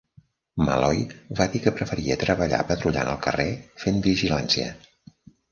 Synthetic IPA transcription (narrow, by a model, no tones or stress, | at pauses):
məlɔjβaðikəpɾəfəɾiət̪ɾəβəʎa̰pət̪ɾuʎa̰nəlˠkərefenbiʒilansiə̰